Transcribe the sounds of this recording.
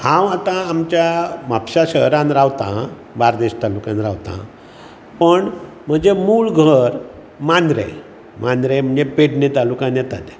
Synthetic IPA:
hãwat̪ãːmt͡ɕjamapɕaɕəɦɾãnɾaʋt̪ã̰ | baɾd̪eɕt̪alukãnɾaʋt̪ã̰ | pəɳ | m̤əd͡zemuːɭɡʱəɾ | mand̪ɾḛ | mand̪ɾem̤əɳd͡zepeʈnet̪alukãnjɛt̪at̪e

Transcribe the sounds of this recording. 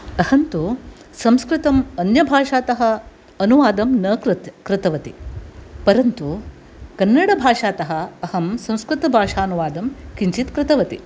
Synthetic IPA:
ɐhɐnt̪usɐ̃mskɾɪt̪ɐmɐnjɐbʱaːʂaːt̪ɐɦɐ̆ | ɐnuʋaːd̪ɐmnɐkt̪kɾɪt̪ɐʋɐt̪ipɐɾɐnt̪u | kɐnːɐɽɐbʱaːʂaːt̪ɐɦɐ̆ɐhɐmsɐ̃m̃skɾɪt̪ɐbʱaːʂaːɐnuʋaːd̪ɐmkiɲt͡ʃit̪kɾɪt̪ɐʋɐt̪ḭ

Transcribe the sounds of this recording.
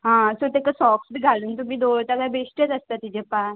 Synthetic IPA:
ɦãsot̪ekasɔksbʱiɡʱaluːnt̪um̤iːd̪oɭt̪aɡajbʱesʈjət̪əst̪at̪ːid͡ʑẽpa

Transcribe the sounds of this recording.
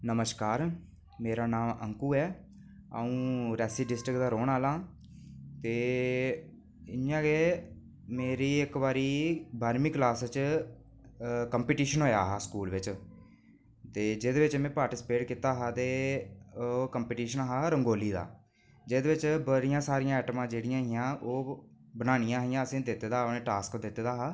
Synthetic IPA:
nəməʃkaːɾ | meːɾaːnaːmə̰ŋkuːɛː | a̰ːũːɾɛːsiːɖɪsʈɾɪkd̪aːɾoːɳaːlãː | t̪eː | ɪjãːɡeː | meːɾiːɪkʋaːɾiːbaːɾmiːklaːst͡ʃ | kəmpeːʈiːʃənɦoːja̰ːɦaːskuːlʋɪt͡ʃ | t̪eːd͡ʒeːd̪eːʋɪt͡ʃmɛ̃ːpaːɾʈɪsɪ̥peːʈkiːt̪aːɦaːt̪eː | kəmpeːʈiːʃənaːɦaːɾəŋɡoːliːd̪a̰ː | d͡ʒeːd̪eːʋɪt͡ʃbəɾɪjãːsaːɾɪjãːɛːʈmãːd͡ʒeːɽɪjãːɦɪjãːʔoː | bənaːɽ̃ɪjãːɦjãːəsẽːd̪ɪt̪ːeːd̪aːnẽːʈaːskd̪ɪt̪ːeːd̪aːɦaː

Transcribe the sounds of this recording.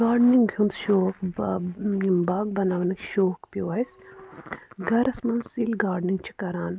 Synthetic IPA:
ɡaːɖniŋɡɡʲʱjund̪ʃoːk | baːɡ̚bɐnaːʋɐnɐkʃoːkpjoːɐjs | ɡɐɾɐsmɐnsilʲɡaːɖniŋɡt͡ʃʰi̥kɐɾaːn

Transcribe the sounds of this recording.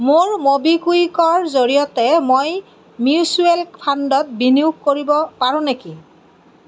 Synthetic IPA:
moɹmobikujkɔɹzoɹijɔtɛmoj | miusuelkpʰandɔt̚biniukkoɹibɔpaɹʊ̃neki

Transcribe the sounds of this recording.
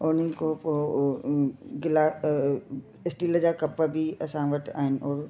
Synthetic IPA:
ʊnəkopo | ɡɪlaː | ɪsʈiːləd͡ʑaːkɐpəbʱiɐsãʋɐʈa̰ːɦɪnɪ̆ʔɔːɾ

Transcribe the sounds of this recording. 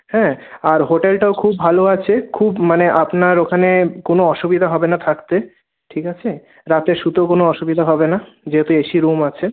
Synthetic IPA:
hɛ̃aɾɦoʈelʈaokʰubːʱaloat͡ɕʰekʰubmaneʔapnaɾokʰanekonoɔʃubid̪ʱaɦɔbenat̪ʰakt̪e | ʈʰikat͡ɕʰe | ɾat̪eʃut̪okonoɔʃubid̪ʱaɦɔbena | d͡ʑeɦet̪ueʃiɾumat͡ɕʰe

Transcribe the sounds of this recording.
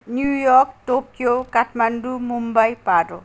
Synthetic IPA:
njujɔk̚ʈokjokaʈʰmandumumbajpaɾo

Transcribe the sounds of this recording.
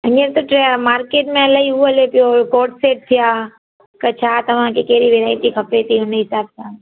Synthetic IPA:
ɐ̃ɲəɾt̪oʈemaːɾkeːʈmẽɐlaiɦuəlepɪjokoːʈseːʈ̚t̪ʰijaː | kət͡ʃʰaːt̪ɐʋ̤ãkekeːɾiʋeɾaːɪʈikʰəpet̪ʰiʊneɦɪsaːb̚sʰa

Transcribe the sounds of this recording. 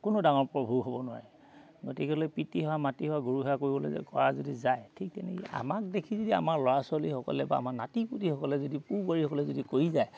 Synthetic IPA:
kʊnodaŋɔɹpɔbʱuɦobɔnʊwa̰ɹɛ | ɡotikɛlojpitiɦɔwamatiɦɔwaɡoɹuɦɔakoɹibɔlo̰zɛ̰kɔɹazodizajtʰik̚tɛnekia̰mak̚dekʰizodia̰maɹlɔɹasɔlihɔkɔ̰lɛba̰ːmaɹnatiputihɔkɔlɛzodipuɹbaɹihɔkɔlɛzodikojizaj

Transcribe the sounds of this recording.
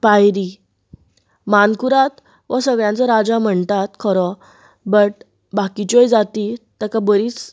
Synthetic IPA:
pajɾi | mankuɾat̪ | ʋəsəɡɭjãnt͡saɾad͡zam̤əɳt̪at̪kʰɔɾɔ | bəʈ | bakit͡ɕɔjd͡zat̪it̪əkabəɾiːt͡s

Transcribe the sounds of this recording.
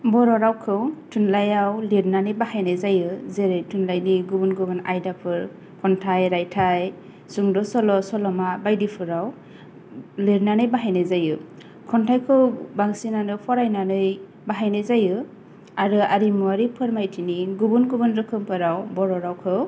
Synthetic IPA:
bɔɾɔɾawkʰɯwtʰɯnlajawliɾnanɯjbahajnɯzajɯzeɾejtʰɯnlajniɡubunɡɯbɯna̰jdapʰɯɾ | kʰɔntʰajɾajtʰaj | suŋdɔsɔlɔsɔlɔmabajdipʰɯɾaw | liɾnanɯjbaɦajnɯzajɯ | kʰɔntʰajkʰɯwbaŋsinanɯpʰɔɾajnanɯj | baɦajnɯzajɯ | aɾɯaɾimuaɾipʰɯɾmajtʰiniɡubunɡubɯnɾɯkʰɯmpʰɯɾawbɔɾɔɾawkʰɯw

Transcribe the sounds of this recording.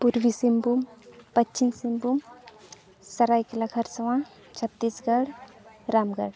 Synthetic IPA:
puɾʋisimbumpətːt͡ʃinsimbum | sɐɾaiklakʰɐɾsɐwã | t͡ʃʰət̪ːiːsɡəɽɾaːmɡəɽ

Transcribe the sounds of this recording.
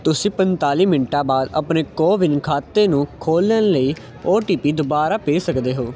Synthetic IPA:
t̪ʊsĩːpənt̪aːliːmɪnʈãːbaːd̪ə̰pneːkoːʋɪnkʰaːt̪ːeːnũːkʰoːlːənləiː | oːʈiːpiːd̪ʊbaːɾaːpeːsəkd̪eːɦoː

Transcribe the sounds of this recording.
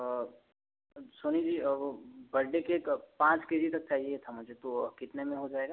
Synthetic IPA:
soːnid͡ʒiːbɐɽɖekeːkpãːt͡ʃkeːd͡ʒit̪ɐk̚t͡ʃaːɦiet̪ʰamʊd͡ʒʱet̪okɪt̪nemẽɦod͡ʒaːeːɡaː

